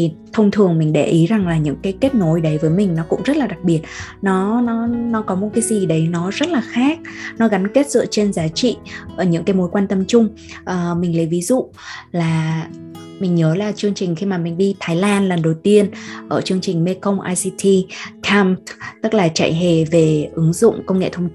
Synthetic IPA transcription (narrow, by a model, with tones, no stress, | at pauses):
i˨˩t̪ʰə˧wŋ͡mt̪ʰɨ˨˩əŋmï˨˩ŋ̟ɗe˧˩ʔi˨˦za˨˩ŋlaː˨˩ɲɨ̰˧˥ŋkaː˨˦jke˦˥t̚no˨˦jɗə˨˦jvəː˨˦jmï˨˩ŋ̟nɔ˨˦kʊ̰˧˥ŋ͡mzə˦˥t̚laː˨˩ɗa˨˩k̚ɓi˨˩ət̚nɔ˨˦nɔ˨˦nɔ˨˦kɔ˨˦mo˨˩t̚kaː˨˦jzi˨˩ɗə˨˦jnɔ˨˦zə˦˥t̚laː˨˩xaː˦˥k̚nɔ˨˦ɣa˨˦nke˦˥t̚zɨ̰˧˨t͡ɕe˧nzaː˨˦t͡ɕḭ˧˨ʔəː˧˩ɲɨ̰˧˥ŋkaː˨˦mo˨˦jkwaː˧nt̪ə˧mt͡ɕʊ˧ŋ͡m | ʔəː˨˩mï˨˩ŋ̟lə˨˦jvi˨˦zṵ˧˨ | laː˨˩ | mï˨˩ŋ̟ɲəː˨˦laː˨˩t͡ɕɨ˧əŋt͡ɕï˨˩ŋ̟xi˧maː˨˩mï˨˩ŋ̟ɗi˧t̪ʰaː˨˦jlaː˧nlə˨˩nɗə˨˩wt̪i˧ənʔəː˧˩t͡ɕɨ˧əŋt͡ɕï˨˩ŋ̟me˧kə˧wŋ͡mʔaː˧jsi˧t̪ʰi˧kʰa˧mt̪ɨ˦˥k̚laː˨˩t͡ɕa̰ː˧˨jɦe˨˩ve˨˩ʔɨ˨˦ŋzʊ̰˧˨ŋ͡mkə˧wŋ͡mŋḛ˧˨t̪ʰə˧ŋ͡m